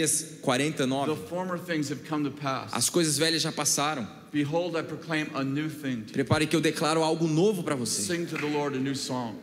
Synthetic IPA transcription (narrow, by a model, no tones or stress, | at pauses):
ɐskwaɾẽnt̪ɐnɔvəfɔɹmə˞θɪ̃ŋz̥ɨv̥kʰʌ̃mtɨpʰæ̰sɐ̰skojzɐzvɛʎɐzʒapasaɾɐ̃w̃ | b̥iɦoʊlˠdaɪpʰɹ̥okʰl̥ẽɪ̃mənʉθɪ̃ŋpɾepaɾɪkɪewd̪eklaɾʊawɡʊnovʊpɾɐvosesɪ̃ŋtʰɨðəlɔɹɾɨnʉsɔ̃ŋ